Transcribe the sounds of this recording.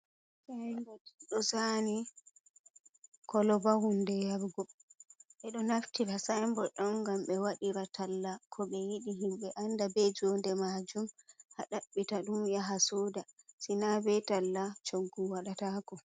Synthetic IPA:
sandɔɗɔsani | kʰɔlɔbahundɛjaɾɡɔɓɛɗɔnaftiɾasajmbɔɗɔŋɡamɓɛwaɗiɾatalːakʰɔɓɛjiɗiɦimɓɛʔandabɛd͡ʒɔndɛmad͡ʒumhaɗaɓːitaɗumjaɦasɔːdasinabɛtalːat͡ʃoɡːuwaɗatakɔ

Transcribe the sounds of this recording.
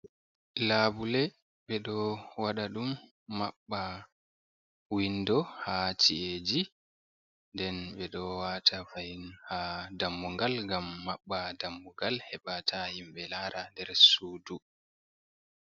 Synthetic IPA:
laːbulɛ | ɓɛɗɔwaɗaɗumː | aɓːa | windɔhat͡ʃiʔed͡ʒi | ndɛnɓɛɗɔwaːtʰafajinhadamːuŋɡalŋɡamːaɓːadamːuŋɡalhɛɓatʰahimɓɛlaɾandɛɾsuːdu

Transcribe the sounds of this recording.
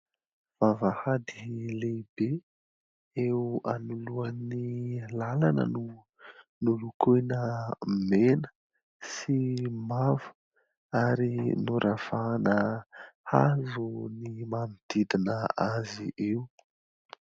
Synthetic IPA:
v̥avəhad̪ilebe | eanuluanilalanə̰nu | nulukʰunəmenə̥ | simavu̥ | aɾinuɾʔav̥anəhazunimamid̪̥id̪inəaziʔewu

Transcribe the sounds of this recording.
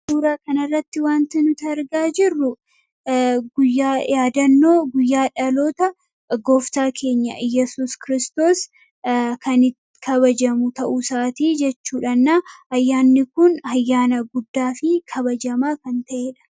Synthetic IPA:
suːɾaːkɐnɐrːɐt̪ːɪwaːnt̪ɪnʊt̪ɐɐɾɡaːd͡ʒɪrːʊ | ɡʊjːaːjaːd̪ɐnːo̞ːɡʊjːaːᶑɐloːt̪ɐ | ɡoːft̪aːkʰe̞ːɲːɐ̰jɛsuːskɪɾɪst̪o̞ːs | kʰɐnɪ | kʰɐβɐd͡ʒɐmʊt̪ɐʔusaːt̪iːd͡ʒɛt͡ʃːuːᶑɐnːahɐjːaːnːɪkʊnhɐjːaːnɐɡʊd̪ːaːfɪkʰɐbɐd͡ʒɐmaːkɐnt̪ɐʔeːᶑɐ̥

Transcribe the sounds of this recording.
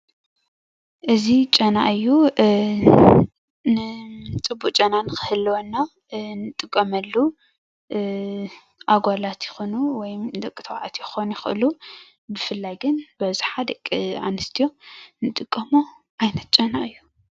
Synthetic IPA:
ʔɨzit͡ʃʼɐnaʔɨjːu | nɨt͡sʼɨbːukʼt͡ʃʼɐnanɨxɨhɨlːwonːa | nɨt̪ʼɨkʼːɐmɐlːu | ʔaɡʷalat̪jɪxo̞nuwɔjmd̪ɐkʼit̪ʰɐwʕa̰t̪jɪxo̞njɪxʔɨ̰lu | bɨfɨlːajɡɨnbɐzɨħad̪ɐkʼːia̰nɨst̪ʰijo̞nɨt̪ʼɨkʼːɐmo | ʔajnɐt̪̚t͡ʃʼɐnaʔɨjːu

